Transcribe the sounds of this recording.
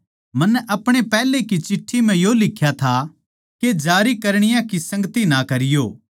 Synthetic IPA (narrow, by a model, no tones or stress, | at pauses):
mɐnːɛʔɐpɽ̃epɛːlekit͡ʃɪʈʰːimɛ̃joːlɪkʰːjat̪ʰa | ked͡ʒaːɾikɐɾɽ̃ɪjãkisɐ̃ŋɡt̪inakɐɾɪjoː